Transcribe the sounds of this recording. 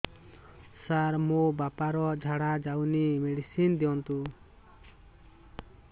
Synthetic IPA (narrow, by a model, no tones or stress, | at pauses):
saɾmobapaɾɔd͡ʒʱaɽad͡ʒawnimeɽisind̪iɔnt̪u